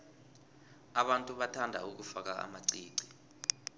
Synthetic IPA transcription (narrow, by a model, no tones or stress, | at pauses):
aɓantʼuɓatʰandʱa̰uk̬ufak̬aa̰maǀiːǀi̥